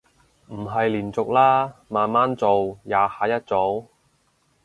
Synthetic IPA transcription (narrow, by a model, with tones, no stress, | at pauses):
m̩˨˩ɦɐ˨jliː˨˩nt͡sʊ˨k̚laː˥maː˨nmaː˥nt͡so˨wjaː˨˧haː˨˥jɐ˥t̚t͡so˨˥w